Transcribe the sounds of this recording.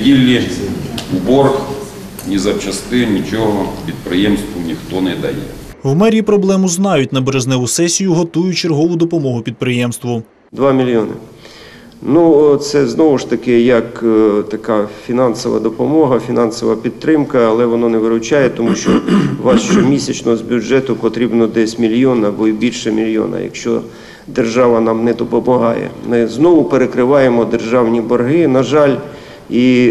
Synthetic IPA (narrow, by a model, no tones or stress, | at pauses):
dʲilʲːi | ubɔrx | nʲizɐwt͡ʃɐst̪ɪnʲit͡ʃɔɦɔpʲid̪̚pɾɪjɛmst̪ʋʊnʲixt̪ɔnɛd̪ɐjɛ̰wmɛɾʲipɾɔblˠɛmʊznɑjʊtʲnɐbeɾeznɛʋʊsɛsʲijʊɦɔt̪ujʊt͡ʃerɦɔʋʊd̪ɔpɔmɔɦʊpʲid̪̚pɾɪjɛmst̪ʋʊ | d̪ʋɑmʲilʲjɔnɪ̰ | nut̪sɛznɔʋʊʃt̪ɐkɪjɐkt̪ɐkɑfʲinɑnsɔʋɐ̰d̪ɔpɔmɔɦɐfʲinɑnsɔʋɐpʲid̪̚t̪ɾɪmkɐːlˠɛʋɔnɔnɛʋɪɾʊt͡ʃajɛt̪ɔmuʃt͡ʃɔʋɑsʃt͡ʃɔmʲisʲɐt͡ʃnɔɦɔzbʲʊd͡ʒɛt̪ʊpɔt̪ɾʲibnɔd̪ɛsʲmʲilʲjɔnɐbɔibʲilʲʃɛmʲilʲjɔ̰nɐ̰jɐ̰kʃt͡ʃɔ̰ | d̪erʒɑʋɐnɑmnɛd̪ɔpɔmɔɦɑjɛ̰mɪznɔʋʊpeɾekɾɪʋɑjemɔd̪erʒɑwnʲibɔrɦɪnɐʒɑlʲ | i